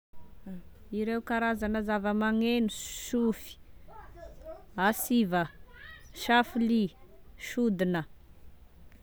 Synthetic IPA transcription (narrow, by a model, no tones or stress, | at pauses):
iɾeukaɾazanəzavəmaŋenuʃufi̥ | asivə | ʃafuliʃud̪inə